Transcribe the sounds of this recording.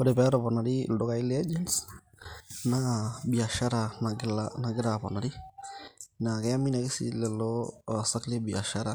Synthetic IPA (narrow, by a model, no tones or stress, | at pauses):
ɔdɛbɛɾɔbɔnadḭldʊkailɛɛd͡ʒɛns | nabiaʃaɾanaɡlanaɡɪɾapɔnadi | nakɛjaminaɡɪsḭlɛlɔsaklɛbia̰ʃaɾa